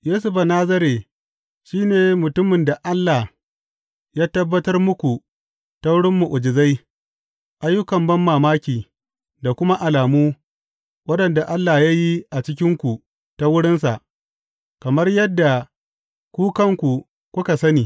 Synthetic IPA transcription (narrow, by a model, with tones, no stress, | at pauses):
jeː˦s̬ʊ˦ɸa˨naː˦zɐ˦ɾe˨ | ʃiː˦neː˨mʊ˨tʊ˦mɪ˨nda˨ʔa˦lːaː˨ | jaː˦tɐ˦bːɐ˦tɐ˦rmʊ˦kʷu˨ | ta˦wʊ˦ɽɪ˦mːu˨ʔʊ˨d͡ʒɪ˨za˦j | ʔa˦jːʊ˦kɐ˨mbɐ˦mːaː˨maː˦kʲiː˨ | da˨kʷʊ˦ma˦ʔa˨laː˨muː˦ | wɐ˦ɗɐ˨nda˨ʔa˦lːa˨ja˦ji˦ʔa˨t͡ʃɪ˦k̬ʲɪ˦ŋkʷu˨ | ta˦wʊ˦ɽɪ˦ns̬a˨ʔ | kɐ˨mɐ˦rjɐ˦dːa˨ | kʷuː˦kɐ˦ŋkʷu˨ | kʷʊ˦ka˨sɐ˦niː˨